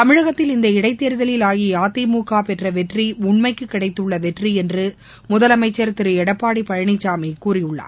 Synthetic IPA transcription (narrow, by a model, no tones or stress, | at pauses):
t̪ɐmɪɻɐɣɐt̪ːɪlɪnd̪ɐɪɽɐɪt̪ːeːɾɯðɐlɪlaːjijaːt̪ːimuːkaːpɛʈrɐʋɛʈriʊɳmɐɪkːɯkːɪɽɐɪt̪ːɯɭːɐʋɛʈriɛndrɯ | mʊðɐlɐmɐɪt͡ʃːɐɾt̪ɪɾɯɛɽɐpːaːɽipɐɻɐɳɪt͡ʃːaːmikːuːrɪjʊɭːa̰ː